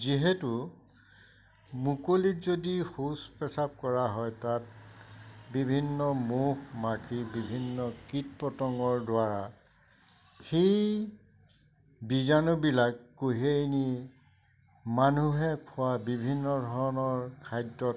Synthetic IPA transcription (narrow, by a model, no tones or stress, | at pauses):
ziɦetʊ | mukolitzodixuspɛsap̚kɔɹaɦɔjtat̚ | bibʱinːɔmuhmakʰibibʱinːɔkit̚pɔtɔŋɔɹdwaɹa | xej | bizanɔbilakːuɦejni | manuɦɛkʰʊwabibʱinːɔdʱɔɹnɔɹkʰajdɔt